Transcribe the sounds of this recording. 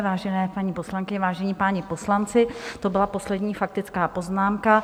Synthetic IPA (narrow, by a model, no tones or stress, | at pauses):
vaːʒɛnɛːpaɲipo̞slaŋkɪɲɛvaːʒɛɲiːpaːɲɪpo̞slant͡sɪt̪obɪlapo̞slɛdɲiːfak̚t̪ɪt͡skaːpo̞znaːmka